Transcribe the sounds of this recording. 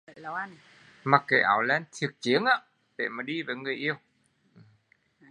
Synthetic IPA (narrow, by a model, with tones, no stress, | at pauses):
ln˨ | maː˨˩k̚kːa˨˦jʔa̰ː˧˩wlɛ˧nt̪ʰi˨˩ək̚t͡ɕi˨˦ənʔaː˧˦ | ɗe˧˩maː˨˩ɗi˧vaː˨˩˦jŋɨ˨˩əjʔi˧əw | ʔɨ˨˩m